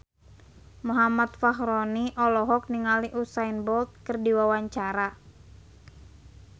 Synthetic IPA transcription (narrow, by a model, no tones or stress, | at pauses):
muɦamat̪̚faɦɾɔniʔɔlɔɦɔk̚niŋaliʔusainbɔlt̪̚kɨrdiwawaɲt͡ʃaɾa